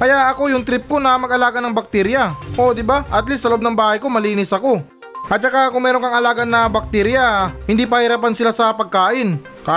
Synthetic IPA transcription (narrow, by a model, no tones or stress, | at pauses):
kɐjaʔɐko̞jʊŋt̪ɾɪp̚ko̞nɐmɐɡʔɐlaːɡɐnɐŋbɐk̚t̪ɛɾjɐʔo̞d̪ɪbaʔɐt̪lisːɐlɐʔob̚nɐŋbaːhɐjko̞mɐliːnɪsɐko̞ | ʔɐt̪̚t͡ʃɐkakʊŋmɛːɾoŋkɐŋɐlaːɡɐnɐbɐk̚t̪ɛɾjahɪnd̪ip̬ɐhɪɾaːpansɪlasɐpɐɡ̚kaːʔɪn | ka